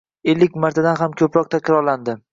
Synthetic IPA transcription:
elːɪk̚ʲmaɾt̪ʰad̪anɦamkʲʰɵpɾɒq̚t̪ʰakʲʰɾɒɾland̪ɪ

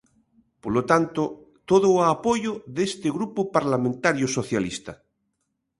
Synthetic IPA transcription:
polot̪ant̪o | t̪oðoapojoðest̪eɣɾupopaɾlamẽnt̪aɾjosoθjalist̪a

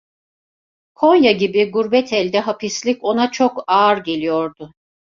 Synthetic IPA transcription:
kʰo̞njaɟibiɡuɾbɛt̪ʰɛlʲd̪ɛɦapʰislʲico̞nat͡ʃʰokaɾɟe̞lʲijo̞ɾd̪ʊ

